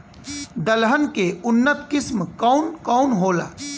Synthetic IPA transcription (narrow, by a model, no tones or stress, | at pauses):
d̪əlɦənkeʊnːət̪̚ʰkɪsmkɔːnkɔːʊnɦoːla̰ː